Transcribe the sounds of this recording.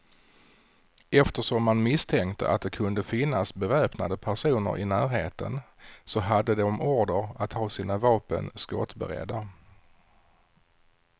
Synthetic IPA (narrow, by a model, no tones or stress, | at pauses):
ɛft̪əʂɔmːanmɪst̪ʰɛŋkt̪əʔa̰t̪̚d̪ɛkʰɵnd̪əfɪnːasbɛvɛːpna̰d̪əpʰæʂuːnə̰ɾʔɪnæːɾɦeːt̪ʰə̰n | sɔɦad̪ːəd̪ɛɔmuːɖəɾat̪hɑːsiːnavɑːpə̰nskɔ̰t̪bɛ̰ɾɛ̰d̪ːa